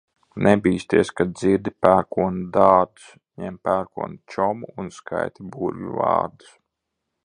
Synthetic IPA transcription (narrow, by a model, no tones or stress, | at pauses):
nɛbiːst̪iɛskad̪̚ziɾd̪ʲipæːɾkuɔnud̪aːd̪u̥s | ɲɛmpæɾkuɔnut͡ʃɔmuunskʰa̰jt̪ibuːɾʲṵva̰ːɾd̪u̥s